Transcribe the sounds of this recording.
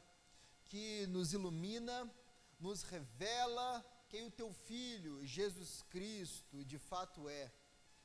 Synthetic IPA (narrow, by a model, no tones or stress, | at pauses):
kɪnʊzilumĩnɐ | nʊshevɛlɐkẽj̃ʊt̪ewfiʎʊʒezuskɾist̪ʊd͡ʒɪfat̪ʊɛ